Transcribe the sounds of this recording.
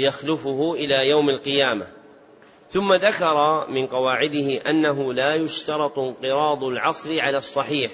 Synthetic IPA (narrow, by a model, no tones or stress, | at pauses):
jaxlʊfʊhʊʔɪlaːjawmalqɨjaːma̰ | θʊmːaðakɑɾˤɑmɪnqɑwaːʕɪd̪ɪhɪʔanːaɦʊlaːjʊʃt̪ɑɾˤɑt̪ˤɪnqɨɾˤɑːd̪ˤʊlʕɑsˤɾɪʕalaːsˤːɑħiːħ